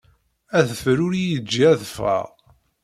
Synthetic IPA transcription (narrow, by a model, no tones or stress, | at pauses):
æðəfɾʊɾijəd͡ʒːiæðfə̰ʁ